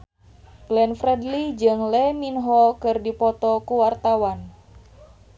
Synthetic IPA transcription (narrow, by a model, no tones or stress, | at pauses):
blɛnfɾɛdlid͡ʒɨŋlɛminɦɔkɨrdipɔt̪ɔkuwart̪awan